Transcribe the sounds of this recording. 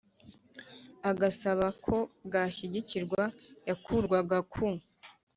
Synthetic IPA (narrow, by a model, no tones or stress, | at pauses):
aɡasaβakʰo̞ɡaːʃiɟiciɾɡwajakʰuɾɡwaɡakʰu